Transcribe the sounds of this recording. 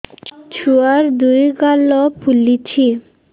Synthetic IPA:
t͡ɕʰuaɾd̪ujɡalopʰulit͡ɕʰi

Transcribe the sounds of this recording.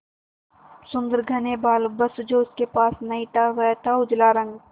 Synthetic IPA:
sʊ̃nd̪əɾɡʱɐnebaːlbɐsd͡ʒoːʊskepaːsnɐɦĩt̪aʋɛt̪ʰaʊd͡ʒlaːɾə̃ŋɡ

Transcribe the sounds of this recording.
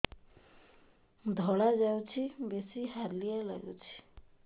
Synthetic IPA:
d̪ʱɔɭad͡ʒawt͡ʃʰibesiɦaɾlijala̰ɡɔ̰t͡ʃʰi̥

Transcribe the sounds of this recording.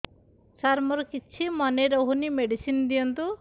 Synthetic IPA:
saɾmɔɾɔkit͡ʃʰimɔneɾoɦunimeɖisind̪ijɔnt̪u

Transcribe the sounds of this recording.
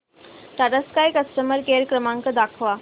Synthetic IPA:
ʈaʈəskajkəsʈəməɾkeɾkɾəmãŋkəd̪akʰʋa

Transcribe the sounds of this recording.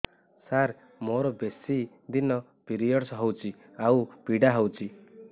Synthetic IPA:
saɾ | moɾɔbesi | d̪inɔ | piɾijɔɽsɦɔwt͡ʃʰi | awb̥ʱiɽaɦɔwt͡ʃʰi

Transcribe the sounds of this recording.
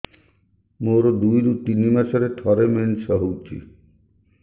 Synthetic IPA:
moɾɔd̪ujɾut̪inimasɔɾet̪ʰɔɾemensɔɦowt͡ʃʰḭ

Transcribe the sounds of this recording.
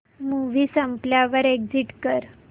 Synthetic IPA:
muʋiːsəmpljaʋəɾeɡd͡ziʈkəɾ

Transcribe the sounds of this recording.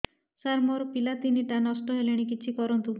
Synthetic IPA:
saɾmoɾpilat̪iniʈanɔsʈɔɦeleɽ̃ik̬it͡ʃʰikɔɾɔnt̪u

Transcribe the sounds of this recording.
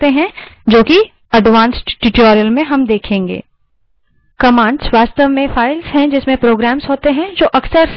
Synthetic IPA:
eɦɛ̃d͡ʒoːki | ɐɖʋãːnsʈʈɪʈɔːɾijəlmẽɦɐmd̪eːkʰẽːŋɡḛː | kɐmãːɳɖsʋaːst̪əʋmẽfaːɪlzɦɛ̃d͡ʒɪsmẽpɾoːɡɾæːmzɦoːt̪eɦɛ̃d͡ʒoːʔɐksəɾs

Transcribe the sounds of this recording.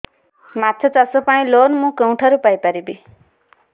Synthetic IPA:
mat̪ʰət͡sasopaɽ̃ĩloːnmũkəũʈʰaɾupajpaɾibi

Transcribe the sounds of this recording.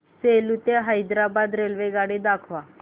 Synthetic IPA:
selut̪eɦajd̪ɾabad̪ɾelʋeɡaɽed̪akʰʋa

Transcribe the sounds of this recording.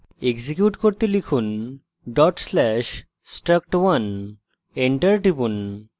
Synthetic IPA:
eɡd͡ʑikjuʈkoɾt̪elikʰun | ɖɔʈslɛʃ | sʈɾək̚ʈwɐn | eɳʈɐɾʈibun

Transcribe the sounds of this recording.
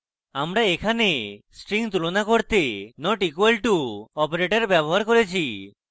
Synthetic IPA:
amɾaekʰanesʈɾiŋt̪ulonakoɾt̪enɔʈikwelʈuɔpoɾeʈeɾbaboɦaɾkoɾet͡ʃʰi

